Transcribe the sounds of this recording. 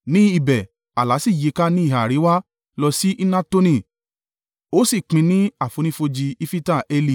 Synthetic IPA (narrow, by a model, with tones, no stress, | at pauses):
nĩ˦i˨bɛ˨ | a˨la˨˦si˦˨je˨˦ka˦nĩ˦i˦˨ɦa˨ɾi˨˦wa˦ | lɔ˧si˦ʔi˦nã˦to˦nĩ˦˨ | o˨˦si˦˨k͡pĩ˧nĩ˦a˦˨fo˨˧nĩ˦fo˧d͡ʒi˧i˦fi˦ta˦˨e˧li˦˨